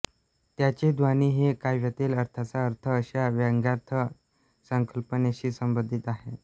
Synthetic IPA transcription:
t̪jat͡ɕed̪ʋaniːɦekajʋjat̪iːləɾt̪ʰat͡saəɾt̪ʰəːɕaʋjaŋɡjaɾt̪ʰə | səŋkəlpəneɕiːsəmbənd̪ʱit̪aɦe

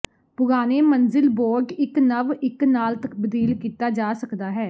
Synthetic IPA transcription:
pʊɡaːneːmənzɪlboːɾɖɪknəʋɪknaːlt̪əkbəd̪iːlkiːt̪aːd͡ʒaːsəkd̪aːɦɛː

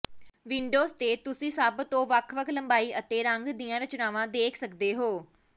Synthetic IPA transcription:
ʋɪ̃ɳɖoːzt̪eːt̪ʊsĩːsəbt̪õːʋəkʰʋəkʰləmbaːiːʔət̪eːɾəŋɡd̪iːãːɾət͡ʃnaːʋãːd̪eːkʰsəkd̪eːɦoː

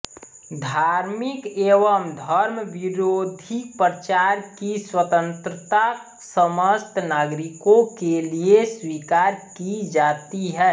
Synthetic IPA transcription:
d̪ʱaːɾmɪkeːʋəmd̪ʱəɾmʋɪɾoːd̪ʱipɾət͡ʃaːɾkiswət̪ə̃nt̪ɾət̪a | səməst̪ʰnaːɡɾɪkõkelieswikaːɾkid͡ʒaːt̪iɦɛː

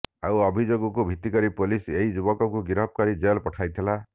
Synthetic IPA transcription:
awɔbʱid͡ʒoɡɔkubʱit̪ːikɔɾipuliseɦid͡ʒubɔkɔkuɡiɾɔpɔkaɾid͡ʒelpɔʈʰajt̪ʰila

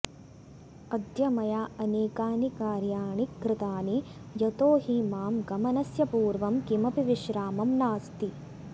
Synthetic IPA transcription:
ɐd̪jɐmɐjaɐneːkaːnikaːɾjaːɳikːɾɪt̪aːnijɐt̪oːɦimaːmɡɐmɐnɐsjɐpuːɾʋɐmkimɐpiʋiʃɾaːmɐmnaːst̪i

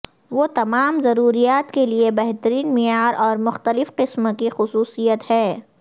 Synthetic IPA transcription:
ʋoːt̪ɐmaːmzɐɾuːɾijaːt̪keliebɛɦt̪əɾiːnmɪjaːɾʔɔːɾmʊxt̪əlɪfqɪsmkixʊsuːsijət̪hɛː

